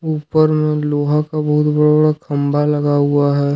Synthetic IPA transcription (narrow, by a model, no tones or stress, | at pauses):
uːpəɾmẽloːɦakabɐɦʊt̪bɐɽabəɽakʰɐmbʱalɐɡaɦʊaɦɛː